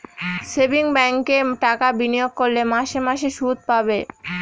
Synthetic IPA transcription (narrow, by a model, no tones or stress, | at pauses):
sebiŋbɛŋkeʈakabinijoɡ̚koɾlemaʃemaʃeʃud̪̚pabe